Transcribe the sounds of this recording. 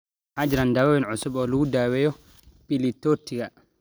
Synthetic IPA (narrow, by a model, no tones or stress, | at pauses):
had͡ʒɾandawawɛnʕusubɔluːdawɛjɔ | pilitːoɾtːiɡa